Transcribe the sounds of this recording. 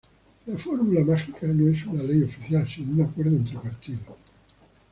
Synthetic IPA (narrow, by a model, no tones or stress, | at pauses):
lafoɾmulamaxikanõesunalejofiθjalsinounakweɾðoent̪ɾepaɾt̪iðo